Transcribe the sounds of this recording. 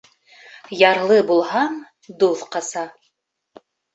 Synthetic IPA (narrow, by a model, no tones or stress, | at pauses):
jɑɾlˠɤbulˠɦɑn | d̪uðqɑsɑ